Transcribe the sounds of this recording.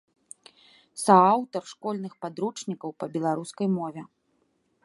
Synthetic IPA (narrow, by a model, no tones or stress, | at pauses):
saawt̪ɐrʂkɔlʲnɨxpad̪ɾut͡ʂnʲikɐwpɐbʲɛlˠaɾuskɐjmɔvʲɛ